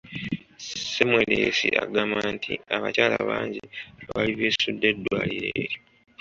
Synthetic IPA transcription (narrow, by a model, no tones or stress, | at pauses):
semwelesiʔaɡamaːntʰiaβacaːlaβaːɲɟiaβaliβesudːe̞dːwaːliɾeːɾjo